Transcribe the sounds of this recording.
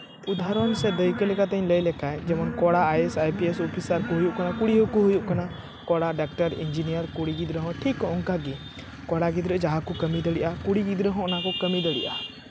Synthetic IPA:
ud̪ʱaɾɔnsɛd̪əjkɔlɛkat̪əɲləjlɛkajd͡ʒɛmɔnkɔɽaajɛsajpiesɔpʰisaɾkuɦujuʔkanakuɽiɦɔkuɦujuʔkana | kɔɽaɖak̚ʈəɾḭnd͡ʒinijəɾkuɽiɡid̪ɾəɦɔ̃ʈʰikːɔ̃ɔŋkaɡi | kɔɽaɡid̪ɾəʔd͡ʒaɦakɔkəmid̪əɽiʔakuɽiɡid̪ɾəɦɔ̃ɔnakɔkəmid̪əɽḭʔa

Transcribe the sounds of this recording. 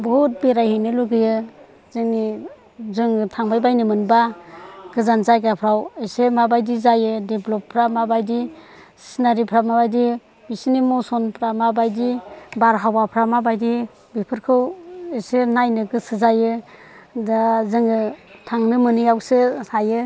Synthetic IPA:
bɔut̚beɾajɦinɯluɡɯjɯ | zɯŋni | zɯŋɯtʰaŋbajbajnɯmɯnbaɡɯzanzajɡapʰɾawesemabajdizajɯdeblɔpʰːɾamabajdi | si̥sinaɾipʰɾamabajdi | bisinimɔsɔnpʰɾamabajdibaɾɦawapʰɾamabajdi | bipʰɯɾkʰɯwesenajnɯɡɯsɯzajɯ | azɯŋɯtʰaŋnɯmɯnɯjawsɯsajɯ

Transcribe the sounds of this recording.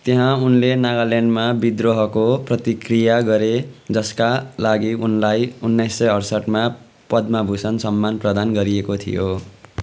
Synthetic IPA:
t̪eɦãunlenaɡalenɖmabid̪roɦʌkoprʌt̪ikrijaɡʌɾed͡zʌskalaɡiunlajunːajsːʌjʌrsʌʈma | pʌd̪mabʱusʌnsʌmːanprʌd̪anɡʌɾiekot̪ʰḭjo

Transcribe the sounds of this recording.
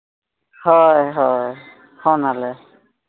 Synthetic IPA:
hɔjɦɔj | hɔnalɛ

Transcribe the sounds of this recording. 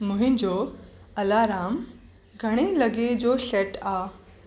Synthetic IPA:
mʊ̃ɦɪ̃nd͡ʑoː | ɐlaɾaːm | ɡʱɐɽ̃elɐɡed͡ʑoːɕɛʈaː

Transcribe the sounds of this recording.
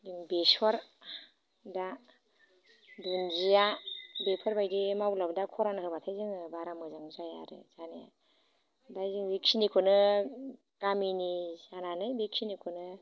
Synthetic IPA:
diŋbesɔɾ | da | dunzijabepʰɔɾbajdimawblabdakʰɔɾanɯɦɯmatʰajzɯŋɯbaɾamɯzaŋzaja̰ɾɯ̰zaneja̰ | bajzɯŋbiksinikʰɔnɯ | kaminisananɯjbik̚sinikʰɔnɯ

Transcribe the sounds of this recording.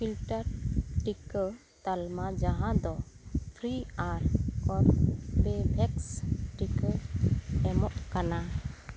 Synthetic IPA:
pʰilʈaɾʈik | t̪almad͡ʒaɦãd̪ɔt̪ʰɾiaɾɔɾbebʱɛksʈikə | ɛmɔʔkana

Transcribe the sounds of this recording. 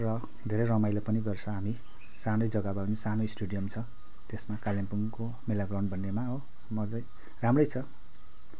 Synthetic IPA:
rʌ | d̪ʱeɾʌjrʌmajlapʌniɡʌrt͡sʰʌɦami | sanojd͡zʌɡabʌwnisanojsʈuɽijʌmt͡sʰʌ | t̪esmakaljempuŋko | melaɡrawɳɖ̚bʱʌnːemao | mʌd͡zʌj | ramrʌjt͡sʰʌ

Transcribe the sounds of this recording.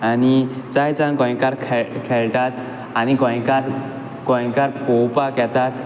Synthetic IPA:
anit͡sajt͡sankɔ̃j̃kaɾkʰɛkʰɛɭʈat̪ | anikɔ̃j̃kaɾ | kɔjkaɾpɔwpakɛt̪at̪

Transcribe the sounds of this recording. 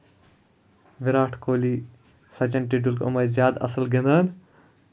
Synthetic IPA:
ʋiɾaːʈʰkoːli | sɐt͡ʃɐnʈiɖulkɐ̰mɐzʲjaːd̪ɐ̰sɐlɡenɐn

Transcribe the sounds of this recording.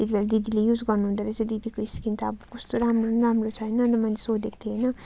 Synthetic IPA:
t̪et̪ʰibelad̪id̪ilejud͡zɡʌrnuɦund̪aɾʌt͡sãd̪id̪ikoiskint̪aːbukʌst̪oɾamronramrot͡sʰʌjnʌnt̪ʌmʌnt͡se̥sod̪ek̚t̪ʰiɦʌjnʌ

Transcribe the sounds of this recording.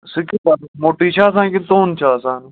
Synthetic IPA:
sɪkibamoːʈiːt͡ʃʰaːs̬ãːkit̪oːnt͡ʃʰaːsãːn

